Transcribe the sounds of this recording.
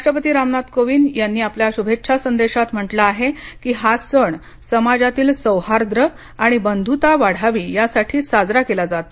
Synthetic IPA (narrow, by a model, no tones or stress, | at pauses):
ɾaʂʈɾəpət̪iːɾamnat̪koʋiːnjanːiːapljaɕubʱetːɕʰasənd̪eɕat̪m̤əʈlaːɦekiːɦasəɳ | səmad͡zat̪iːlsəwhaɾd̪ɾə | aɽ̃ibənd̪ʱut̪aʋaɽ̤aʋiːjasaʈʰiːsad͡zɾakelad͡zat̪o̥